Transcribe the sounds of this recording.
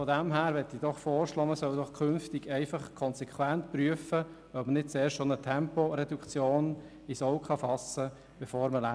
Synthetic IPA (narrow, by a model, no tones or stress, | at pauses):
fɔdæmɦæːɾʋɛt̪ːid̥ɔχfɔːɾʃlɔːməsœwdɔχkʰʏnftɪɡɛɪfɑχkʰɔnsɛkʰwæntpryəfə | œbmənɪt̚t͡sɛːʃtʃonətʰɛmpɔɾɛdukt͡sjoːn | isɔʊkʰχɑfɑsə | b̥efoːɾməlæ